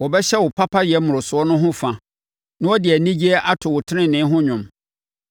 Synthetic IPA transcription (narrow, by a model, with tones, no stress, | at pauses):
wɔ˨bɛ˦ɕɛ˦wʊ˨pʰa˦pʰa˦ɪ˨ɛ˨˦mʊ̃˨ʊ˨sʊ˨ɔ˦nʊ̃˦ɦʊ̃˦fã˨ | nʊ̃˦wɔ˦dɪ˨ɛ˨nĩ˦d͡ʑi˦ɛ˦ʔa˦tʰʊ˨wʊ˨tʰɪ˦nɪ̃˦nɪ̃˨˦ɦʊ̃˦ɲᶣʊ̃˨m